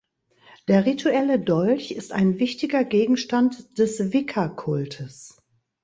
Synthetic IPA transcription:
d̥eːɐʁitʰuɛlədɔlçɪsta̰ɪnvɪçtɪɡɐɡeːɡŋ̩ʃtantd̥ɛsvɪkʰɐkʰʊltʰəs

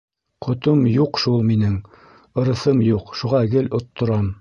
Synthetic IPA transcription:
qʰŏt̪omjuqʃulˠminɘŋ | ɤ̆ɾɤ̆θɤmjuqʃuʁɑɡɘlŏt̪ːŏɾɑm

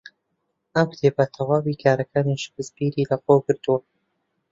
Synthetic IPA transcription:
ɐmkt̪ʰeːbɐt̪ʰɐwaːwikʰaːɾɐkʰaːniʃkɨzbiːɾilɐqowɡɨɾt̪uwɐ

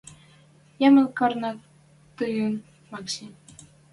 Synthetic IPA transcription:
jɑmə̆lkɑrnɑ | t̪ɯjɤn | mɑkɕe

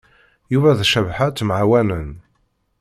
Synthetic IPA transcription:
juvæðʃævħat̪ːmʕawænən

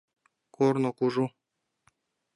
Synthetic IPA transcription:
koɾnokuʐu

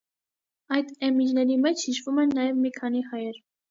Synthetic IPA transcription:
ɑjd̪ɛmid͡ʒnɛɾimɛt͡ʃʰhiʃvumɛnːɑjɛvmikʰɑnihɑjɛɾ

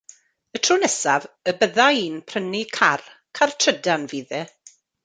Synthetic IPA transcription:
ətʰrʊnɛsavəbəðaiːnpʰrənikʰarkʰartʰrədanviːðɛ

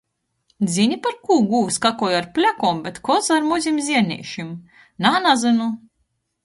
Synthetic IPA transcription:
d̪zʲinʲipaɾkuːɡuːvskakɔjaɾpʲlʲakɔːmbɛt̪kɔzaɾmuzʲimzʲiɛɾnʲḭːʃim | naːnazɨnu

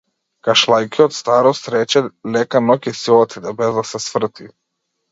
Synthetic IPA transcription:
kaʃlˠajkiɔt̪st̪aɾɔst̪ɾɛt͡ʃɛlɛkanɔkɛsilɔt̪id̪ɛbɛzd̪asɛsvr̩t̪i

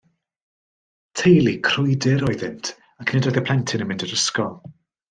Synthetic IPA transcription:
tʰejlˠikʰrʊjdɪɾɔɨðɪntʰ | akʰneːdɔjðəpʰl̥ˠɛntʰɪnəmɪndəɾəskɔlˠ

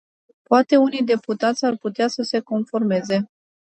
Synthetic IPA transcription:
poat̪e̞unijd̪e̞put̪at̪sʲarput̪easəse̞ko̞nfo̞rme̞ze̞

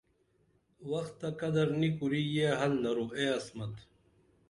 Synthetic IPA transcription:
wɐxt̪ːɐkɐd̪ɐɾnikuɾiːjeːɦɐlnɐɾueːɐsmɐt̪

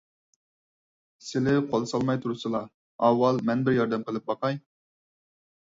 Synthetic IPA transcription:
sɪlɪqʰolˠsɑlˠmɑjt̪ʰuɾusɨlˠɑ | ɑwːɑlˠmɛnbɪɾjɑɾd̪ɛmqʰəlˠɪp̚bɑqɑj

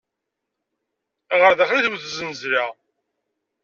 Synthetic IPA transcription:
ʁəɾðæχɾiθwθzənəzɾa

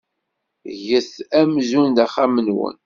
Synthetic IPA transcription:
ʝəθæmzund̪æχamənwə̰n

